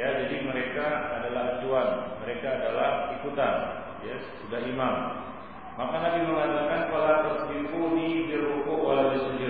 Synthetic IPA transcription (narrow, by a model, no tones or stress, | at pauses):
jad͡ʒadiməɾekaːdalaɦat̪uanməɾekaːdalahikut̪an | jassudahimam | makanabiməŋadalkankalat̪ərpimpunibiɾukoʔwalawdisəndi